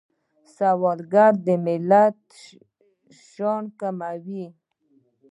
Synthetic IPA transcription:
sawɑlɡaɾd̪əmɪlat̪ | ʃɑnkamawi

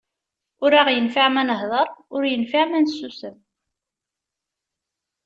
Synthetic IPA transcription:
ʊɾaʁjənfaʕmænəɦðˤəɾˤʊɾjənfaʕmænsːusəm

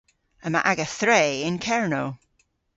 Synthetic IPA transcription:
əmaʔaɡəθɹeːɪ̃nkʰɛɹnoː

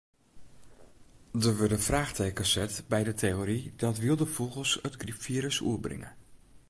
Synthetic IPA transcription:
dəʋødəfraːxtʰeːkəsɛtbɛjdətʰeoɾidɔtʋilˠdəfɔlˠɣəlˠsətɡripfiəɾəsṵəbrɪ̰ŋə̰

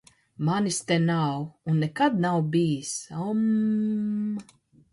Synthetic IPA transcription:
manist̪enawunːekad̪nawbijisɔm

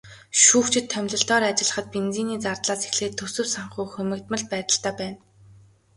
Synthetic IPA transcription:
ʃuːxt͡ɕʰɪ̆t̪ʰːœmʲɮə̆ɬt̪ɔːɾat͡ɕɪ̆ɮə̆χə̆t̪̚pent͡siːniːt͡sart̪ɮaːse̥xɮeːt̪ʰːɵsɵ̆wsaɴχuːxɵmʲɘ̆kt̪mə̆ɮ̚pæːt̪ə̆ɬt̪æːpæːn

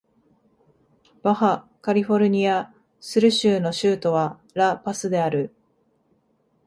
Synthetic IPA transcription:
b̥aha | kaɾʲiɸo̞ɾɯ̟ɲ̟ia | sɨɾɯ̟ɕɨːno̞ɕɨːt̪o̞βa | ɾapasɨd̪e̞aɾɯ̟

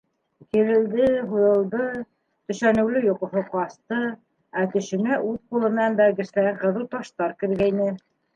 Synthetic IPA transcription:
kɘ̆ɾɘ̆ld̪ɘɦujɤ̆lˠd̪ɤ | t̪ɵ̆ʃænɘ̆wlɘjŏqɤ̆ɦoqɑst̪ɤ | æt̪ɵ̆ʃɘ̆næʔʉðqulˠɤ̆mɘ̆nænbæɾɡɘ̆ʃlæɘɴqɤ̆ðɤwt̪ɑʃt̪ɑɾkɘ̆ɾɡæjnɘ

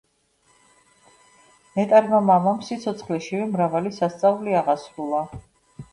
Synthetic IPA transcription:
mɛt̪ʼaɾmamamamsit̪sʰɔt̪sʰχlɛʃivɛmɾavalisast̪sʼavliaʁasɾulˠa

